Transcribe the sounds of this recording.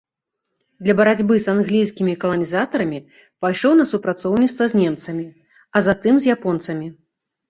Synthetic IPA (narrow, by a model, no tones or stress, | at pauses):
d̪lʲɐbɐɾad͡zʲbɨsanɣlʲijsʲkʲimʲikɐlˠɐnʲizat̪ɐɾɐmʲi | pajʂɔwnɐsupɾat̪sɔwnʲit̪st̪vɐzʲnʲɛmt̪sɐmʲi | ɐzat̪ɨmzʲjapɔnt̪sɐmʲi